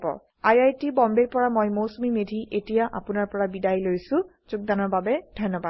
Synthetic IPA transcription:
bɔ̰ | ajajtibɔmbeɹpɔɹamojmowsmimedʱiʔetijaʔa̰pʊnaɹpɔɹabidajlojsʊ̃ | z̥ʊk̚danɔɹbabɛdʱɔjnːɔbad

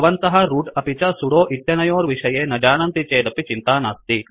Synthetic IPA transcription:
ɐʋɐnt̪ɐɦɐɾuːʈɐpit͡ʃɐsuɽoːʔit̪ːjɐnɐjoːɾʋiʂɐjeːnɐd͡ʒaːnɐnt̪it͡ʃeːd̪ɐpit͡ʃint̪aːnaːst̪i

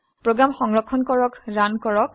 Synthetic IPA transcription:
pɹoɡɹamxɔŋɹɔkʰːɔnkɔɹɔkɹankɔɹɔk̚

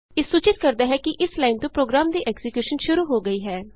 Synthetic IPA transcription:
ɪːsuːt͡ʃɪt̪̚kəɾd̪aːɦɛːkɪʔɪslaːɪint̪õːpɾoːɡɾaːmd̪iːʔɛːksɪkjuːʃənʃʊɾuːɦoːɡəiːɦɛː

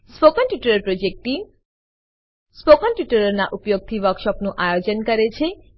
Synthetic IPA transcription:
spokɔnʈjuʈɔɾeɾpɾod͡ʒek̚ʈi | spokɔnʈjuʈɔɾɔɾnaʔupjoɡ̚t̪ʰiʋɔkʃɔpnuʔajod͡ʒɔnkɔɾet͡ɕʰe

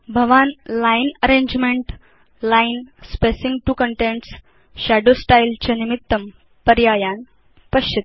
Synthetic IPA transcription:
bʱəʋanlajnəɾẽɲd͡ʑmẽɳʈ | lajnspesĩŋɡʈuːkəɳʈẽɳʈs | ɕæɖosʈajlt͡ɕenimit̪ːəm | pəɾjajan | pəɕit̪

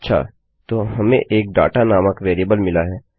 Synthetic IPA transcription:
tːʃʰa̰ː | t̪oːɦɐmẽʔeːk̚ɖa̰ːʈanaːməkʋeːɾiəbəlmɪlaɦɛː

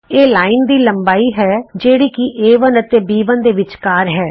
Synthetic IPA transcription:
eːlaːiːnd̪iːləmbaːiːɦɛːd͡ʒeːɽiːkiʔeːʋənət̪eːbiːʋənd̪eːʋɪt͡ʃkaːɾɦɛː

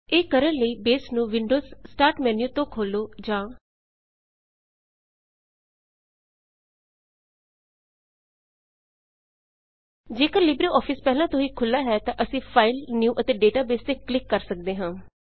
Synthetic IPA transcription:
eːkəɾənləiːbeːsnũːʋɪɳɖoːzːʈaːɾʈmɛːnjuːt̪õːkʰoːloːd͡ʒãː | d͡ʒeːkəɾlɪbɾeːʔɔːpʰɪspɛɦlãːt̪ʊɦĩːkʰʊlːaːɦɛːt̪ãːʔəsĩːpʰaːɪlnjuːʔət̪eːɖeːʈaːbeːst̪eːklɪkːəɾsək̚d̪eːɦãː

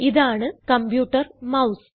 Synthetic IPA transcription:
iðaːɳɨkɐmpjuːʈːɐrmɐws

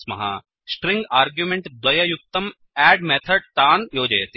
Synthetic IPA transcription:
smɐ̰ɦa̰ | sʈɾĩŋɡaːɾɡjumeɳʈd̪ʋɐjɐjuk̚t̪ɐm | æːɖmeːt̪ʰɐɖ̚t̪aːnjoːd͡ʒɐjɐt̪i

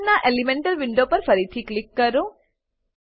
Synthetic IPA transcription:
naʔelimeɳʈɐɾʋiɳɖoːpɐɾpʰɐɾit̪ʰiklikːɐɾu

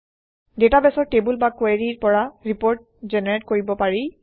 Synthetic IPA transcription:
detabɛsɔɹtebulbakweɹiɹpɔɹaɹipoɹt̚ | zɛnɛɹetkoɹibɔpaɹi

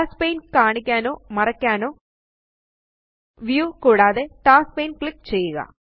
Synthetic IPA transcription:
aːspejnkaːɳikʲːaːno̞ːmɐrɐkʲːaːno̞ː | ʋjuːkuːɽaːðeʈaːspejnkɭik̚t͡ɕejːuɣɐ̰

